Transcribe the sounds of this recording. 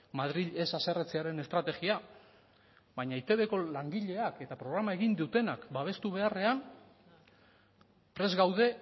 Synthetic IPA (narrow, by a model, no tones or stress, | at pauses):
mað̞ɾiʎe̞sase̞ret͡seaɾe̞ne̞st̪ɾat̪e̞ɣia | βajɲait̪e̞βe̞ko̞laŋɡiʎe̞ake̞t̪apɾo̞ɣ̞ɾamae̞ɣind̪ut̪e̞nakbaβ̞e̞st̪uβ̞e̞are̞an | pɾe̞zɣawðe̞